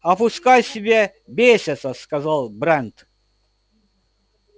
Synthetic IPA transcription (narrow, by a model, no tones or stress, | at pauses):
ɐpʊskajsʲɪbʲe | bʲesʲɐt̪səskɐzalˠbɾɛnt̪